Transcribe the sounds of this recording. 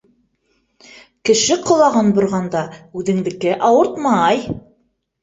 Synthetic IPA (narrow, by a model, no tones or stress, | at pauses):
kɘ̆ʃɘqŏlˠɑʁɤnbŏɾʁɑnd̪ɑʉðɘ̆ŋd̪ɘ̆kɘʔɑwɤɾt̪mɑj